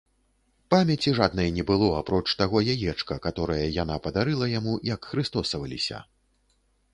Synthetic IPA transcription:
pamʲɛt͡sʲiʐad̪̚nɐjnʲɛbɨlˠɔapɾɔt͡ʂt̪aɣɔjajɛt͡ʂkɐkat̪ɔɾɐjɐjan̪apɐd̪aɾɨlˠɐjamujɐkxɾɨst̪ɔsɐvɐlʲisʲɐ̰

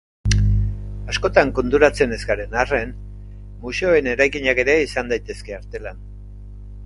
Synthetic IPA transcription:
asko̞t̪aŋko̞nt̪uɾat͡se̞ne̞zɡaɾe̞nare̞n | muse̞oe̞ne̞ɾajkiɲake̞ɾe̞isand̪ajt̪e̞ske̞aɾt̪e̞lan

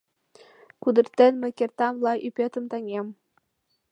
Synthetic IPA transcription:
kud̪ɤ̆rt̪ːenmɘ̆kʲert̪ɑmlˠɑʔypʲet̪ə̆mt̪ɑŋʲem

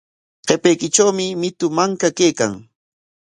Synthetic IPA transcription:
qepejkɪt͡ʃawmɪmɪt̪ʊmaŋkakejka̰ŋ

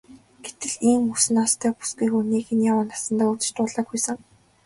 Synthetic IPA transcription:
ɡ̥et̪ɘ̆ɮiːŋusɘ̆nast̪ʰœːpu̥sɡiːxuniːkɘ̆njawaːnḁsə̆nt̪aːut͡s̆t͡ɕt̪ʊːɮaːkujsə̆ŋ

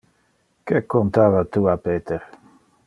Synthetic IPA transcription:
kekːont̪aːvat̪uapeːt̪eɾ

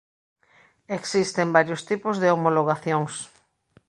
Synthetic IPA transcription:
eksist̪embaɾjʊst̪ipʊzðeomoloɣ̞aθjoŋs

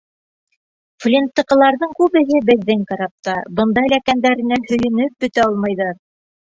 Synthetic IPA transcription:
flʲint̪ːɤ̆qɤ̆lˠɑɾðɤɴkʉβɘ̆ɦɘbɘ̆ðːɘŋkɑɾɑp̚t̪ɑbɤnd̪ɑjlækænd̪æɾɘ̆næhɵ̆jɘ̆nɵp̚bɵ̆t̪æɑlˠmɑjðɑɾ

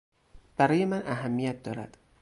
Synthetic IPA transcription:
b̥æɾɒːje̞mænʔæɦæmːijæt̪̚d̪ɒːɾæ̰d̪̥

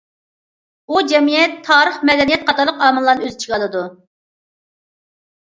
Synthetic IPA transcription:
bud͡ʒɛmijɛt̪ʰːɑːɾəχmɛd̪ɛnijɛt̪̚qʰɑt̪ʰɑɾlˠəqɑːmɨlˠːɑɾnɨøzt͡ʃʰiɡɑlˠɨd̪u

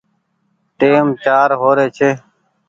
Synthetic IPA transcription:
ʈeːmt͡ʃaːɾɦoːɾeːt͡ʃʰeː

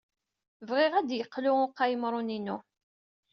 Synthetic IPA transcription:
vʁeʁæd̪jəqːlʊʊqːajəmɾˤʊninu

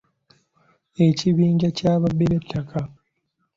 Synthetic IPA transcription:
e̞ciβiːɲɟacaːβabːeβetʰːakʰa

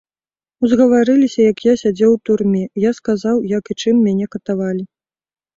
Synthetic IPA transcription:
uzɣɐvaɾɨlʲisʲɐjɐkjasʲad͡zʲɛwt̪urmʲɛjaskazawjɐkit͡ʂɨmːʲanʲɛkɐt̪avalʲi

